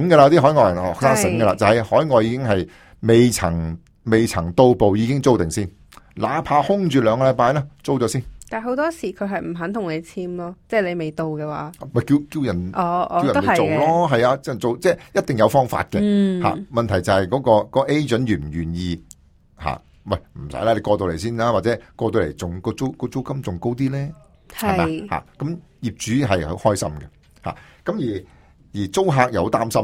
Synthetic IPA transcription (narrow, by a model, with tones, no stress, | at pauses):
ɪ˨˥ŋɡə˧aː˧t̪i˥ɦɔː˨˥jŋɔː˧jɐ˨˩nhɔ̰ː˨ksaː˥ŋsɪ˨˥ŋɡə˧laː˧t͡sɐ˨whɐ˨jhɔː˨˥jŋɔː˨˧jiː˧kɪ˥ŋɦɐ˨j | me˨jt͡sʰɐ̰˨˩ŋ | me˨˩jt͡sʰɐ˨˩ŋt̪o˧wpo˨wjiː˧kɪ˥ŋt͡so˥wt̪ɪ˨ŋsiː˥˩n | laː˨˥pʰaː˧hʊ˥ŋt͡ʃyː˨lœː˨˧ŋkɔ˧ljpaː˧jlɛː˥t͡so˥wt͡ʃɔː˨˥siː˥nt̪aː˨˩ɦo˨˥wt̪ɔː˥siː˨˩kʰɵ˨˧ɦɐ˨jm̩˨˩ɦɐ˨˥nt̪ʰʊ˨˩ŋle˨˧jt͡sʰiː˥mlɔː˥t͡sɛː˥le˨˧jme˨jt̪o˧wkɛː˧wa̰ː˨˦˨mɐ˨˩jki˧wki˧wjɐ˨˩nʔɔː˨˧wjɐ˨˥˨ɐ˨t͡ʃo˨wlɔː˥ɦɐ˨jaː˧t͡sɛ˥t͡so˨wt͡sɛː˥˩jɐ˥t̪̚ɪ˨˩ŋjɐ˨˧wfɔː˥ŋfa̰ː˧t̚kɛ˧ha̰ː˨mɐ˨nt̪ʰɐ˨˩jt͡sɐ˨˩hɐ˨jkɔː˨˧˥kɔː˧kɔː˧ʔe˥jt͡ʃɵ˨˥nɥyː˨˩m̩˨˩jyː˨˩njiː˧ | ha̰ː˨ | wɐ˨jm̩˨˩sɐ̰˨˥jlaː˦˧le˨˧jkɔː˧t̪o˧wle˨˩jsiː˥˩nlaː˥waː˨t̚t͡sɛː˨˥kɔː˧t̪o˧wlḛ˨˩jt͡sʊ˨˩ŋkɔː˧t͡so˥wkɔː˧t͡so˥wkɐ˥mt͡sʊ˨ŋko˥wt̪iː˥lɛː˥ | hhɐ˨maː˨ha̰ː˨kɐ˨˥m | ji˨p̚t͡ʃyː˨˥ɦɐ˨jho̰˧˥hɔː˥jsɐ̰˥mɡɛ˧ | ha̰ː˨˩kɐ˨˥mjiː˨˩ | jiː˨˩t͡so˥wɦaː˧k̚jɐ˨˧ho˨˥t̪aː˥msɐ˥m